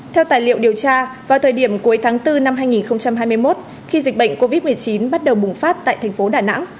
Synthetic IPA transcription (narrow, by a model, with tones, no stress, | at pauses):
t̪ʰɛ˧wt̪aː˨˩jlḭ˧˨əwɗi˨˩əwt͡ɕaː˧vaː˨˩wt̪ʰəː˨˩jɗi˧˩əmku˨˦əjt̪ʰaː˨˦ŋt̪ɨ˧na˧mɦaː˧jŋi˨˩nxə˧wŋ͡mt͡ɕa˧mɦaː˧jmɨ˧əjmo˦˥t̚ | xi˧zï˨˩k̟̚ɓə̰˧˨jŋ̟ko˧vi˦˥t̚mɨ˨˩əjt͡ɕi˨˦nɓa˦˥t̚ɗə˨˩wɓʊ˨˩ŋ͡mfaː˦˥t̚t̪a̰ː˧˨jt̪ʰɛ˨˩ŋ̟fo˨˦ɗaː˨˩na̰˧˥ŋ